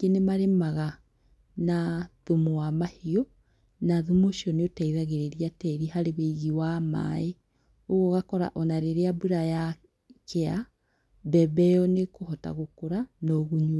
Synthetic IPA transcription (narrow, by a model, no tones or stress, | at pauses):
enemaɾemaɣa | naðomoamahiɔ | naðumoʃiɔneotaiðaɣeɾeɾiatɛɾihaɾeβeiɣiwama̰e | oɣoɣakɔɾa̰ʔɔnaɾeɾeabuɾaja | kʰea | bɛbɛjɔnekohɔta̰ɣokoɾanɔɣuɲu